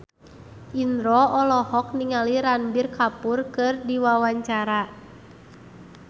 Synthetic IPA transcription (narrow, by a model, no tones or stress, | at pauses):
ʔindɾɔɔlɔhɔk̚niŋaliɾanbirkapurkɨrdiwawaɲt͡ʃaɾa